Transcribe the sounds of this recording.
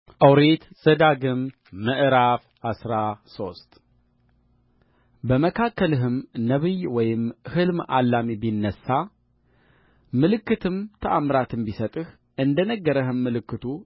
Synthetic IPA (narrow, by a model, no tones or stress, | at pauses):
ʔəwɾet̪z̥əd̪aɡɨmː | əʔɾaf | asɾaso̞st̪ʼ | bəməkʰakʰːəlɨɦɨmnəβɨjwɔjɪmhɨlmʔa̰lːamibjnːəsːa | mɨlɨkːɨt̪ʰɨmt̪ʰəʔamɾat̪ʰɨmbisət̪ʼɨh | ʔɨnd̪ənəɡːəɾəhɨmːɨlɨkːɨt̪ʰu